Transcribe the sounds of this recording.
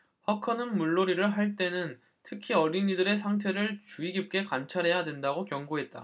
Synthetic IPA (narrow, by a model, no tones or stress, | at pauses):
hakʰʌnɯnmuɭːoɾiɾɯɭɦaɭt͈e̞nɯn | tʰɯkʰiʌɾinidɯɾe̞s̬ʰaŋtʰe̞ɾɯɭt͡ɕuiɡip̚k͈e̞kant͡ɕʰaɾɦe̞jadwe̞ndaɡokjʌŋɡoɦe̞t̚t͈a̰